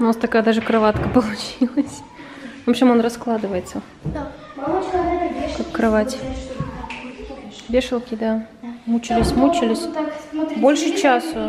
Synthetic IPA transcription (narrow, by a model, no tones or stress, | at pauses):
nnast̪ɐkajəd̪aʐɨkɾɐvat̪kəpəlˠʊt͡ɕilˠəsʲ | vopɕʲɪmo̞nrɐsklˠad̪ɨvəjɪt̪sə | kakkːɾɐvatʲ | vʲeʂɨlˠkʲɪd̪a | mut͡ɕɪlʲɪsʲmut͡ɕɪlʲɪsʲ | bolʲʂɨt͡ɕas